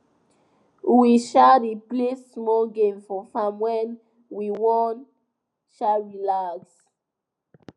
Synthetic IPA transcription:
wiʃaɾiplesːmɔɡẽmfɔfãmwɛ̃n | wiwɔ̃n | ʃaɹilaks

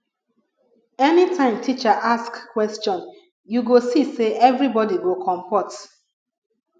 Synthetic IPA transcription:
ɛnitʰãɪ̃mtʰit͡ʃaʔaskkwɛstɔ̃n | juɡosiseʔɛvɹibɔdiɡokʰɔ̃mpɔt

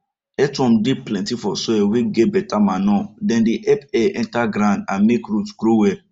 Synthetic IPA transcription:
ɛtɔ̃m̩deplɛ̃ntifɔsɔɛwiɡebɛtamanɔ̃dɛ̃ndiʔɛpɛʔɛ̃ntaɡɾãndã̰nmekɾutɡ̥ɾowɛ

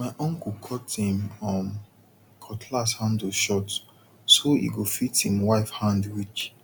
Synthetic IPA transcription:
maɪʔɔ̃ŋkukʰɔtĩmɔ̃m | kʰɔtʰlashãnduʃɔt | soḭɡofitĩmwaɪfhãndwit͡ʃ

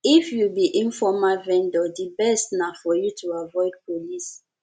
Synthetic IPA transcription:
ifjubiʔĩnfɔmavɛ̃ndɔdibɛstnafɔjutʰuavɔɪd̚pʰolis

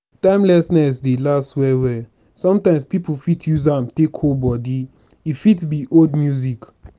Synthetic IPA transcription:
tãɪ̃mlɛsnɛs̬delastwɛwɛ | sɔ̃mtãɪ̃mspipufitʰjuzãmtekholbɔdi | ifitbiʔodmjuzik

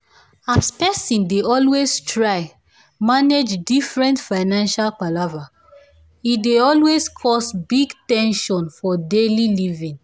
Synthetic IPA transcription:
aspɛsĩndeʔɔlwestʰɹaɪ | maned͡ʒdifɹɛ̃ntfaɪnãnʃalpalava | ideɔlwezkʰɔsbiɡtɛ̃nʃɔ̃nfɔdelilivĩn

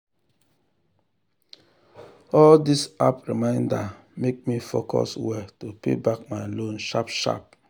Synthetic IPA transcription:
ɔldisa̰pɹimãɪ̃nda | mek̚mifo̰kʰɔ̰swɛtopḛbak̚maɪlõnʃapʃa̰p̚

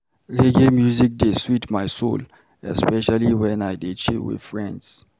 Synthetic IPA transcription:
ɾeɡemjuzik̚deswitmajso̰l | ɛspɛʃaliwɛ̃najdet͡ʃiwḭ̥fɹɛ̃nds

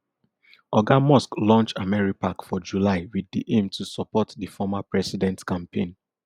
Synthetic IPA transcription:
ɔɡamɔsklɔ̃nt͡ʃtamɛɹipakfɔd͡ʒulaɪwidiʔẽmtʰusɔpɔtdifɔmapɹɛsidɛ̃ntkãmpʰẽn

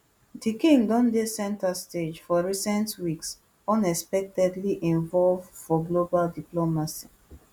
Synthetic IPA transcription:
dikĩŋdɔ̃ndesɛ̃ntasted͡ʒfɔɹisɛ̃ntwiks | ɔ̃nɛspɛk̚tɛdliʔĩɱvɔlvfɔɡlobaldiplomasi̥

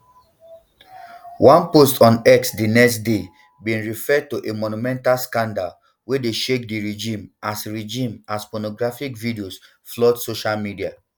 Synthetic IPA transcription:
wʔãnpostʰɔ̃nɛksdinɛkstde | bĩnɹifɛd̚tuʔemɔnumɛ̃ntalskãndal | wedeʃek̚diɹed͡ʒĩmasɹed͡ʒĩmaspɔnɔɡɹafikvidios | flɔtsoʃalmidia

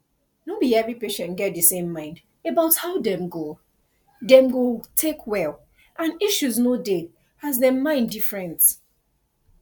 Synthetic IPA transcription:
nobadiɛvɹipeʃɛ̃nɡɛt̚dɨsẽmːãɪ̃nd | ebaʊthaʊdɛ̃mɡo | dɛ̃mɡotʰekʰwɛl | ʔãniʃuznode | azðɛmãɪ̃ndifɹɛ̃nt

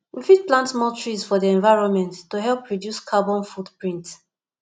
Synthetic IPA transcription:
wifit̚plãntmɔtʰɹizfɔdiɛ̃ɱvaɪɹɔ̃nmɛ̃ntːuɦɛlˠpʰːɹɔdjuskʰabɔ̃nfudpɹĩnt

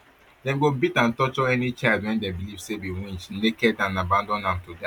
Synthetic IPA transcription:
dɛ̃mɡobitãntɔt͡ʃɔɛnit͡ʃaɪldwɛ̃ndebilivsebiwĩnt͡ʃnekɛdãnabãndɔ̃nãmtuda

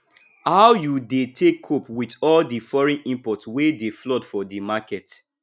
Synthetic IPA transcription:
haʊjudetʰekʰːopwitɔldifɔɹɛ̃nĩmpɔtswedeflɔdfɔdimakɛt

